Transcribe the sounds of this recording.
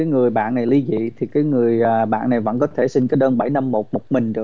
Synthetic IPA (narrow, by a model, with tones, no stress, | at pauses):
kaː˨˦jŋɨ˨˩əjɓa̰ː˧˨nːa˨˩jli˧˦zḭ˧˨t̪ʰi˨˩kaː˨˦jŋɨ˨˩əjaː˨˩ɓa̰ː˧˨nːa˨˩jvə̰˧˥nkɔ˨˦t̪ʰe˧˩si˧ŋkaː˨˦jɗəː˧nɓa˧˩jna˧mːo˨˩t̚mo˨˩t̚mï˨˩ŋ̟ɗɨ˨˩